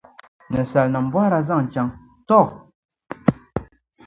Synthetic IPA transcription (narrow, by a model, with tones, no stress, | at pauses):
nə˨sa˨lnə˨m̩˨bɔ˦ɾa˨za˦˨ŋn̩˨t͡ʃa˨ŋ | tɔ˦˨